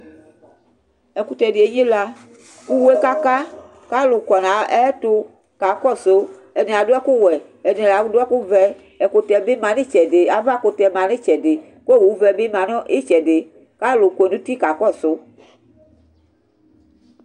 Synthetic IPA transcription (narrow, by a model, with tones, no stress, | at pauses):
ɛ˨ku˨t̪ɛ˨dɪ˨e˨˦ɲẽ˦la˦ | ku˦we˦ka˦ka˦ | ka˦lʊ˨kɔ˨nã˨˦ɛ˦tʊ˦ | ka˨kɔ˦˨so˦ | ɛ˨nẽ˨a˨do˦ɛ˦ku˦wɛ˨ | ɛ˨nẽ˨la˨ku˦do˦ɛ˦ku˦vɛ˨ | ɛ˨ko˨tɛ˨be˦mã˨nẽ˦t͡ʃɛ˨de˨a˨va˦˨ko˨tɛ˨mã˨nẽ˦t͡ʃɛ˨de˨ | ko˦e˦˨wu˨˦vɛ˨be˦mã˨nɔ̃˦ʔe˦t͡ʃɛ˨de˨ | ka˦lʊ˨ko˨e˨nũ˦t̪i˦ka˨kɔ˦sʊ˦